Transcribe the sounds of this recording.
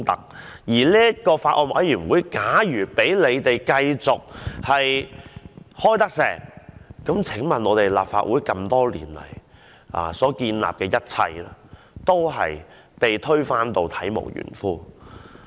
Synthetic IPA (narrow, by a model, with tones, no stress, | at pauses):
t̪ɐ˥k̚ | jiː˨˩liː˥ɐ˥t̚kɔː˧faː˧t̚ʔɔː˧nwɐ̰˨˥jjyː˨˩nwuː˨˧˦jkaː˨˥jyː˨˩pe˨˥jle˨˧jt̪e˨jkɐ˧jt͡sʊ˨k̚hɐ˨j | hɔː˥jt̪ɐ˥k̚sɛː˨˩ŋkɐ˨˥mt͡sʰɪ˨˥ŋmɐ˨˩nɔː˨˧t̪e˨jla̰ː˨p̚fa̰ː˧t̚wuː˨˥jkɐ˧mt̪ɔː˥lḭː˨˩nlɐ̰˨˩j | ʔa̰ː˨˩sɔː˨˥kiː˧nla̰ː˨p̚kɛː˧jɐ˥t̚t͡sʰɐ̰˧j | t̪o˥wɦɐ̰˨j | pe˨jt̪ʰɵ˥ɥfaː˥nt̪o˨wt̪ʰɐ˨˥jmo̰˨˩wjy̰ː˨˩nfuː˥